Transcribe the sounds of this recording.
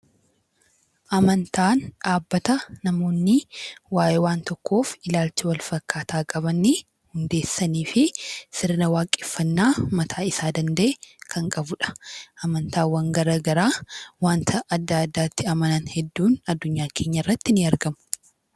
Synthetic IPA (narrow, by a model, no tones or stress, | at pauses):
ʔɐmɐnt̪ʰaːnᶑaːbːɐt̪ɐːɐmo̞ːnːɪwaːʔeːwaːnt̪ɔkːo̞ːfɪlaːlt͡ʃɪwɐlfɐkːaːt̪ʰaːkʼɐbɐnːi | hʊnd̪e̞ːsːɐniːfɪsɪɾnɐwaːkʼɪfːɐnːaːmɐt̪ʰaːɪsaːd̪ɐnd̪ɐʔekʰɐŋkʼɐbʊᶑɐ̥ʔɐmɐnt̪aːwaŋɡɐɾɐɡɐɾaːwaːnt̪ʰɐʔːd̪ːaɐd̪ːaːt̪ːɪɐmɐnɐnhɛd̪ːuːnɐd̪ːʊɲːaːkʰe̞ːɲːɐɪrːɐt̪ːɪnɪɐɾɡɐmʊ̥